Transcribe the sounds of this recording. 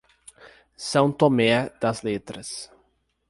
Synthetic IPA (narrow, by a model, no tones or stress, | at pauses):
sɐ̃w̃t̪omɛd̪̥ɐzlet̪ɾɐs